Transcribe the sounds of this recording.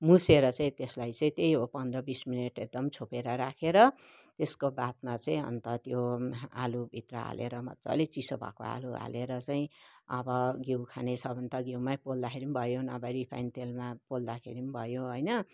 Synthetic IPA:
museɾʌt͡saĩt̪eslajt͡saĩt̪ejɦopʌnd̪rʌbismineʈek̚d̪ʌmt͡sʰopeɾʌɾakʰeɾʌ | t̪eskobat̪mat͡saĩʌ̰nt̪ʌt̪joa̰lubʱit̪rʌɦa̰leɾʌmʌt͡sʌ̰let͡sisobʱa̰ko̰a̰lua̰leɾʌt͡saĩʌbʌɡiwkʰanesʰʌbʱʌnt̪ʌɡiwmapold̪akʰeɾimbʱʌjonʌbajɾipʰa̰jnt̪elmapold̪akʰḛɾimbʱʌjoɦojnʌ

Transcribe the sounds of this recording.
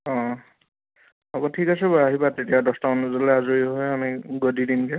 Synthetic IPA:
ɔ̃ | ɔbɔtʰikasɛbaaɦibatetijadɔstɔɔnuzɔlɛazuiɦojamiɡodidinkɛ

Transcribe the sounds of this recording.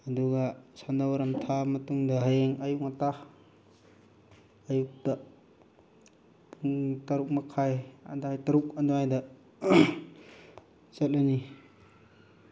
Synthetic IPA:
ɐduɡasandawaɾamtʰamɐtuŋdɐɦajeŋɐjuk̚ŋata | juk̚ta | puŋtaɾuk̚makʰaja̰dajtaɾuk̚aduajdɐ | zɐt̚lani

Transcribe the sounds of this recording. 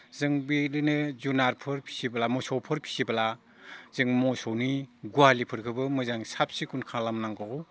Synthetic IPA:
zɯŋbilinɯzunaɾpʰɯɾpʰi̥sibalamɔsɔwpʰɯɾpʰi̥sibala | z̥ɯŋmɔsɔwniɡualipʰɯɾkʰɯbɯmɯzaŋsap̚sikunkʰalamnaŋɡɔɔ

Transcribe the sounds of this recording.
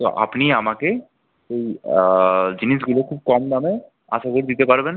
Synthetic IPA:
t̪oʔa̰pniamake | ʃej | d͡ʑiniʃ̬ɡulokʰub̚kɔmname | a̰ʃakoɾd̪it̪epaɾben

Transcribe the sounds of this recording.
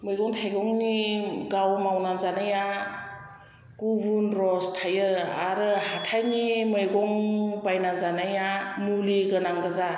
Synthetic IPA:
mɯjɡɔŋtʰajɡɔŋniɡawmawnanzanaja | kubunɾɔstʰajɯaɾɯhatʰajnimɯjɡɔŋbajnanzanajamuliɡɯnaŋɡɯza

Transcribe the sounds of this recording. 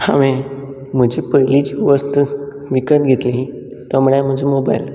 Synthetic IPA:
ha̰ʋe | m̤əd͡ʑiːpəjlit͡ɕiʋəst̪ə | ʋikət̪ɡʱet̪liɦi | t̪amuɭam̤əd͡ʑimoba̰jl

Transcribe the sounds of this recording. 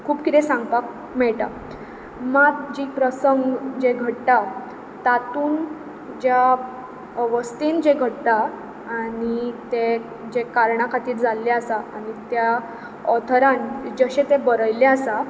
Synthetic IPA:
kʰuːpkit̪ɛ̃sãŋɡpak̚ | mɛɭʈa̰ | matd͡ʑipɾəsəŋɡd͡ʑeɡʱəʈʈa | t̪at̪uːn | d͡ʑja | ʋəst̪ind͡ʑeɡʱəʈʈ̪aː | nit̪e | d͡ʑekaɾɳakʰat̪iːt̪d͡zalːaasaanit̪ja | ɔt̪ʰɾãnd͡ʑəɕet̪ebəɾəjleəsa

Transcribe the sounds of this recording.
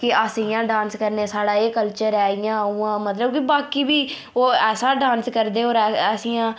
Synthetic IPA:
kɪəsiːãːɖãːnskəɾneːsaːɽaːeːkəlt͡ʃəɾɛːijãːuːãːmət̪ləbkɪbaːkiːbiː | oːɛːsaːɖãːnskəɾd̪eːoːɾɛːəsiːjãː

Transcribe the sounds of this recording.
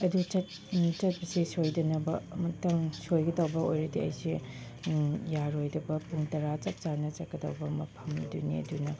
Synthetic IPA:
ɐdut͡ʃɐt̚ | t͡ʃɐt̚pɐsisojdɐnɐbɐmɐtɐŋsojɡɐdɐwbɐojɾɐdiɐ̰jsi | jaɾojdɐbɐpuŋtɐɾat͡ʃɐp̚t͡ʃaɾnɐt͡ʃɐt̚kɐdɐ̰wbɐmɐpʰɐmdṵnḭɐ̰dunɐ

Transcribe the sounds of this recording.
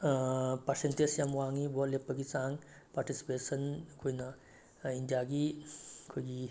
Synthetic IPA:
pasent̪esjamʋaŋibolepəɡit͡sãŋ | paɾʈisi̥pesənkʰojna | ind͡ʒaɡikʰoɡi

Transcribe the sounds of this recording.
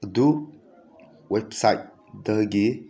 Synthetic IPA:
du | websajt̚ | dəɡe

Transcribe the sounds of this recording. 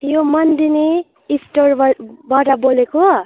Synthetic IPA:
jomʌnd̪ine | isʈorbaʈaboleko

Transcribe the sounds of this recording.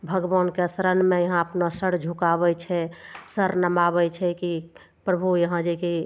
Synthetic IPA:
bʱəɡbankesɾənmẽjəɦãəpnasəɽd͡ʒʱukaβɛt͡ʃʰɛsəɾnəmaβɛt͡ʃʰɛki | pɾəbʱujəɦãd͡ʒeki

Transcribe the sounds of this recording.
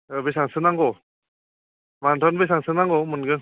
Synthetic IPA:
ɯbejsaŋsɯnaŋɡɔ | mantʰɔnbejsaŋsɯnaŋɡɔmunɡɯ

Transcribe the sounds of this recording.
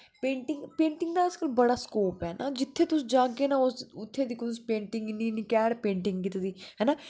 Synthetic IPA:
pẽːɳʈɪŋɡpẽːɳʈɪŋɡd̪aːɪskəlbəɽaːskoːpɦɛːnʔaːd͡ʒɪt̪ʰːeːt̪ʊsĩːd͡ʒaːkeːnaːosʊt̪ʰːeːd̪ikʰõt̪ʊsiːpẽːɳʈɪŋɡniːnikɛːɽpẽːɳʈɪŋɡkit̪ed̪iːɦɛːnaː

